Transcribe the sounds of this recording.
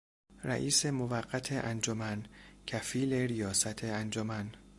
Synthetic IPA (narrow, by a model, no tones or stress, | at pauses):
ræ̰ʔiːse̞movæɢːæt̪ʰeʔænd͡ʒomæncʰæfiːleɾijɒːsæt̪ʰeænd͡ʒomæn